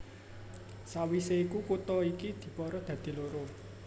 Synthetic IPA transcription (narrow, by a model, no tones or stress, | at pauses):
sawiseikukut̪ɔikid̪̥i̤pɔɾɔd̪̥ä̤d̪̥i̤loɾo